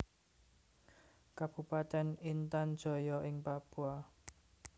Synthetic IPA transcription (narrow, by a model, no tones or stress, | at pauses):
kab̥ṳpat̪ɛnint̪and̥ʒ̥ɔ̤jɔʔɪŋpab̥ua